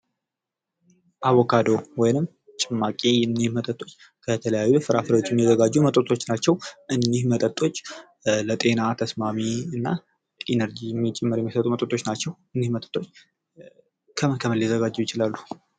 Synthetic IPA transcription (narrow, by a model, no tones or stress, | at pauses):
ʔaβokʰad̪o̞wɔjnɨm | t͡ʃʼɪmːakʼijɛnːihmət̪ʼət̪ʼːo̞t͡ʃː | kʰət̪ʰələjajːufɨɾafɨɾwot͡ʃːɛmijɛzəɡad͡ʒːumət̪ʼət̪ʼo̞t͡ʃːnat͡ʃːɛwʔɨnːihmət̪ʼət̪ʼːo̞t͡ʃː | lət̪ʼe̞nat̪ʰəsmamiɨnːa | ʔenəɾd͡ʒijɛmːit͡ʃʼɛmːəɾjɛmːisət̪ʼumət̪ʼət̪ʼːo̞t͡ʃːnat͡ʃːɛwɨnːihmət̪ʼə̥t̪ʼːo̞t͡ʃː | kʰəməkʰəməljzəɡad͡ʒːɛwjɪt͡ʃɪlalːu